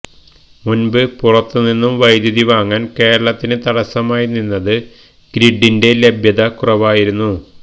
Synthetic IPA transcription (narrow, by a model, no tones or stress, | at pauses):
munbɨpurɐt̪ːɨninːumʋɐjd̪jɐðiʋaːŋːaːnke̞ːɾɐɭɐt̪ːinɨt̪ɐɽɐsɐmaːjininːɐðɨ | kɾiɖːinde̞le̞bjɐðɐkurɐʋaːjiɾunːu